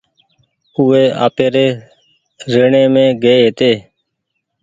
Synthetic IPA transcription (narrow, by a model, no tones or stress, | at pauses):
ʊːeːa̰ːpeːɾeː | ɾeːɳẽːmẽːɡeːɦeːt̪eː